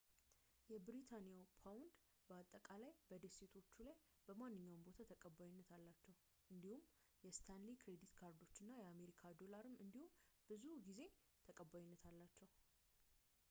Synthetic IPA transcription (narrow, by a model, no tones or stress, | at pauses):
jɛbɾit̪ʰanijawpʰawʊnd̪ | bəat̪ʼːəkʼalajbəd̪əse̞t̪ʰo̞t͡ʃːulajb̥əmanːɨɲːawmbo̞t̪ʰat̪ʰəkʼəbajɪnːət̪ʰalːat͡ʃːɛw | ʔɨnd̪ihum | jɛst̪ʰanlikʰɾe̞d̪it̪kʰaɾd̪o̞t͡ʃːɨnːajɛame̞ɾikʰad̪o̞laɾɨmːɨnd̪ihumb̥ɨzuɡize̞ | t̪ʰəkʼəbːajnːət̪ʰalːat͡ʃːɛw